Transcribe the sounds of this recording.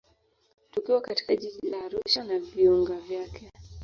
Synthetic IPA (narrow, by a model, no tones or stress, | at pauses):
tukiwakati̥kaʄiʄilaːɾuʃanaviɔŋɡavjakʰɛ